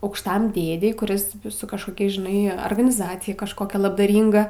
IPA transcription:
ɐʊkʃˈtɐm ˈdʲeːdʲɛɪ kʊˈrʲɪs sʊ kɐʃkoːˈkʲɛ ʒʲɪˈnɐɪ ɐrɡɐnʲɪˈzɑːt͡sʲɪjɛ kɐʃkoːˈkʲɛ lˠɐbdɐˈrʲiːŋɡɐ

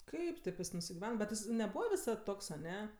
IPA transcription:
ˈkɐɪp tʲeːp ˈjɪs nʊsʲɪɡʲɪˈʋʲɛn bʲɛt ˈjɪs nʲɛˈbuːʋɐ ʋʲɪˈsɐt ˈtoːks ɐˈnʲɛ

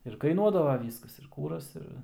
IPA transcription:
ɪr kɐɪˈnuɔdɐʋɐ ˈʋʲiːskɐs ɪr ˈkuːrɐs ˈɪr

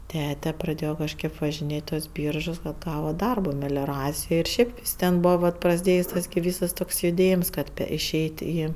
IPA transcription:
ˈtʲæːtʲɛ prɐˈdʲeːjoː kɐʃʲˈkʲeːp ʋɐʒʲɪnʲˈeːtʲ ɪ tuɔs ˈbʲiːrʒʊs kɐt ˈɡɑːʋɐ ˈdɐrboː mʲɛlʲoːˈrɑːt͡sʲɪjoːj ɪr ˈʃʲɛɪp ˈɪs tʲɛn ˈbuːʋɐ ʋɐt prɐzʲˈdʲeːjsʲ ˈtɐs ɡʲɪ ˈʋʲiːsɐs ˈtoːks jʊˈdʲeːjɪms ˈkɐt ɪˈʃʲɛɪtʲ ˈiː

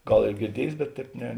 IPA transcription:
ˈɡɐlˠ ɪr ɡʲɪrʲˈdʲiɛjeːs bʲɛt ˈtʲɛːp nʲɛ

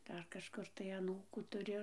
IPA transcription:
ˈdɐr kɐʃˈkʊr tɐɪ ɐˈnuːkuː tʊˈrʲʊ

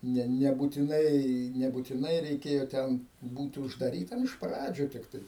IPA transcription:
ˈnʲɛ nʲɛbʊtʲɪˈnɐɪ nʲɛbʊtʲɪˈnɐɪ rʲɛɪˈkʲeːjoː ˈtʲɛn ˈbuːtʲɪ ʊʒdɐˈrʲiːtɐm ɪʃ ˈprɑːd͡ʒʲuː tʲɪkˈtɐɪ

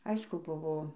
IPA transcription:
ˈɐɪʃkʊ ˈbʊʋoː

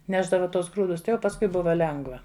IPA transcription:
ˈnʲæːʒdɐʋɐ ˈtuɔs ˈɡruːdʊs ˈtɐɪ jɛʊ pɐsˈkʊɪ ˈbʊʋɐ ˈlʲɛŋɡʋɐ

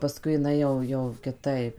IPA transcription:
pɐˈskʊɪ ɪˈnɐɪ jɛʊ jɛʊ kʲɪˈtɐɪp

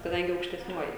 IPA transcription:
kɐˈdɐŋʲɡʲɪ ɐʊkʃʲtʲɛsʲˈnʲuɔjɪ

